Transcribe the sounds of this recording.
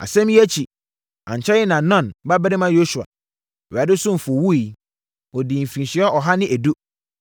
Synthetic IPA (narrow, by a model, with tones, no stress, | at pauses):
a̰˨sɛ̃˦m˦æ˦t͡ɕʰi˨ | ã̰˨ɲ˨t͡ɕʰɛ˦jɪ˦nã˨nɔ̃˦˨nba˦bɛ˦ɾɪ˦mã˦jo˦su˨a̰˨ | ɥa˨dɪ˦sʊ̃˦m̩˨fwu˦i˨ | ɔ˨di˨m̩˨fɾĩ˨n˨ɕi˨ɛ˦ɔ˨ɦa˦nɪ̃˦ʔæ˨du˦